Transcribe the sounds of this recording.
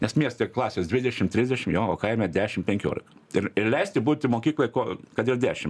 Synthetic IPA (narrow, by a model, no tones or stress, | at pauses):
nʲɛsmʲiɛst̪ʲeklˠɑːsʲeːsd̪ʲʋʲɪd̪ʲɛʃʲɪmt̪ʲɾʲɪzʲd̪ʲɛʃʲɪmjoːoːkɐɪmʲɛd̪ʲæːʃʲɪmpʲɛŋʲkʲoːlʲɪkɐɪɾɪɾlʲɛɪsʲt̪ʲɪbuːt̪ʲɪmoːkʲiːklˠokoɔkɐt̪ʲɪɾd̪ʲæːʃʲɪm